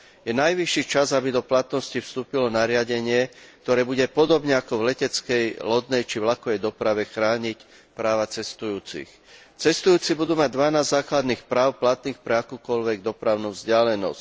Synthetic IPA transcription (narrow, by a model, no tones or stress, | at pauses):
jɛnajʋiʃːit͡ʃazabid̪ɔplat̪nɔscifst̪uːpilɔnaɾɪaɟɛɲɪɛk̚t̪ɔɾɛːbuɟɛpɔd̪ɔbɲɛakɔvlɛcɛt͡skɛjlɔd̪nɛjt͡ʃivlakɔʋɛjd̪ɔpɾaʋɛxɾaːɲic | pɾaːʋat͡sɛst̪ujuːt͡sḭx | t͡sɛst̪ujuːt͡sibud̪uːmaɟ̚d̪ʋanaːzːaːklad̪niːxpɾaːʊplat̪niːxpɾɛakuːkɔʎʋɛɡd̪ɔpɾaʊnuːvzɟɪalɛnɔ̰sc